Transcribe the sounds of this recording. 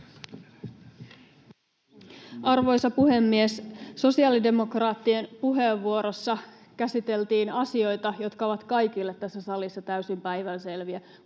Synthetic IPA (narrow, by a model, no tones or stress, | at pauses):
ɑrʋo̞jsɑpuhe̞mːiesso̞siɑːlide̞mo̞krɑːt̪ːienpuɦe̞ːʋːuo̞ɾo̞sːɑ | kæsit̪e̞lt̪iːnɑsio̞jt̪ɑjo̞t̪kɑo̞ʋɑt̪kɑjk̟ilːet̪ːæsːæsɑlisːɑt̪æysimpæjʋænse̞lʋiæ